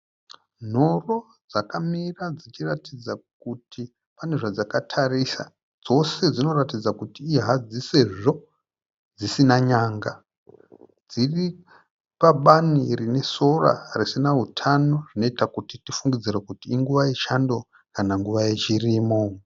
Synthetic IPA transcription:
n̤o̞ro̞ | d͡zakamirad͡zit͡ʃiratid͡zak̚utʰi | pane̞ʐad͡zakatʰarisa̰ | d͡zo̞se̞d͡zino̞ratid͡zakutiːɦad͡ziseʐo̞ | d͡zisinaɲaːŋɡa | d͡ziri | paɓanirine̞so̞ra̰risinaɦutʰano̞ʐ̥ino̞itakutitifuŋɡid͡zirakutiːŋɡuʋajeʃando̞ | kanaŋɡuʋajet͡ʃiriːmo̞

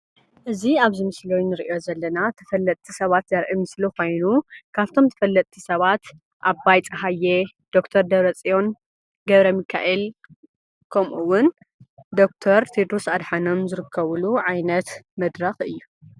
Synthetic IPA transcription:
ʔɨziaβzɨmɨslownɨɾiʔio̞zɐlːɐnat̪ʰɐ̥fɐlːɐt̪ʼt̪ʰːisɐβat̪zɐɾʕimɨslixo̞jnukʰaβt̪ʰo̞mt̪ʰɐ̥fɐlːɐt̪ʼt̪ʰisɐβat̪ | ʔabajt͡sʼɐɦajːe | d̪̥o̞kt̪ʰɐɾd̪ɐɾɐt͡sʼijo̞n | ɡɐβɾɐmikʰa̰ʔel | kʰɐmʔuwʊn | d̪o̞k̚t̪ʰɐɾt̪ʰid̪ɾusad̪ħano̞mzɨɾɨkʰːɐβɨluʕajnɐt̪mɐd̪ɾɐxɨ̰jːu

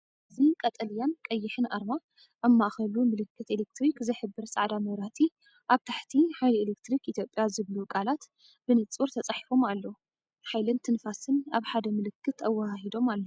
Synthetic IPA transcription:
ʔʔɨzikʼɐt̪ʼɐljankʼɐjːɪħɨnʔaɾma | ʔamːaʔxɐlumɨlɨkʰːɨt̪elek̚t̪ɾikzɨħɨbːɨɾsʼaʕd̪amɐɾat̪ʰi | ʔaβt̪ʰaħt̪ʰiħajlelekt̪ɾikit̪ʰjo̞pʼːjazɨβlukʼalat̪ | b̥ɨnɨt͡sʼuɾt̪ʰɐt͡sʼaħifo̞malːo | ħajlɨnt̪ʰɨnfasɨnaβħad̪ɐmɨlɨkʰːɨt̪ɐwːahahid̪o̞malːo

